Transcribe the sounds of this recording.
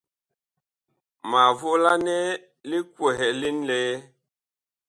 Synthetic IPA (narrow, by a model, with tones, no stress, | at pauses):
ma˨vo˦la˦nɛ˦ | li˦kwɛ˨ɦɛ˨li˦nlɛː˦